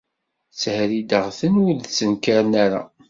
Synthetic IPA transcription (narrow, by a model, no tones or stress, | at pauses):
t͡sːhɾid̪əʁθənuðt͡sːənkaɾnaɾa̰